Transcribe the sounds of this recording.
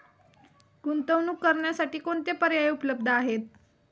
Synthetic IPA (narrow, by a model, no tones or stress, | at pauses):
ɡunt̪əʋnuːkːəɾɳjasaʈiːkoɳt̪epəɾjaeupləbd̪ʱəaɦet̪̚